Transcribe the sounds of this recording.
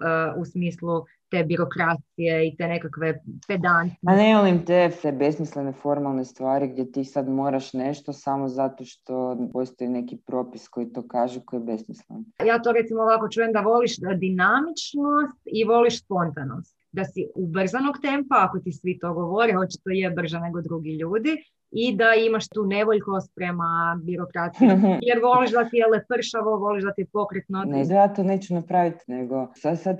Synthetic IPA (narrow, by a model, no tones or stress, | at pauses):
əusmiːslˠu | t̪e̞ːbiɾo̞kɾat̪sije̞it̪e̞ne̞kakʋe̞ped̪ansnemolimt̪esebesmislenefo̞ɾmalˠnest̪ʋaːɾiɡd̪jet̪iːsad̪moːɾaʃneʃt̪osamozat̪oʃt̪opost̪oinekipɾopiskoit̪oːkaːʒukojebesmislenjaːt̪o̞ɾe̞t̪simooːʋako̞t͡ʃuːjemd̪aʋo̞liʃd̪inamit͡ʃno̞st̪iʋo̞liʃspo̞nt̪ano̞̰st̪d̪asiubr̩zano̞ɡt̪e̞mpaːko̞t̪isʋit̪o̞ɡoʋoɾiho̞t͡ɕe̥t̪ojebr̩ʒane̞ɡo̞d̪ɾuɡiʎuːd̪i | id̪aimaʃt̪uːne̞ʋoʎkost̪̚pɾe̞mabiɾo̞kɾat̪sijojeɾʋo̞liʃd̪at̪ijelˠepr̩ʃaʋoʋo̞liʃd̪at̪ipo̞kɾet̪nond̪jaːt̪oːneːt͡ɕunapɾaʋit̪neɡo̞sad̪sad̪